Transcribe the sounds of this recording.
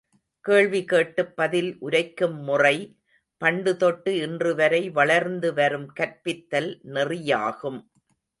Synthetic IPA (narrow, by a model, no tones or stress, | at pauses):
keːɭʋikeːʈːɯpːɐðɪlʔʊɾɐɪkːɯmːʊrɐɪ | pɐɳɖɯt̪ɔʈːɯɪndrɯʋɐɾɐɪʋɐɭɐɾnd̪ɯʋɐɾɯmkɐɾpɪt̪ːɐlnɪrɪja̰ːɣɯm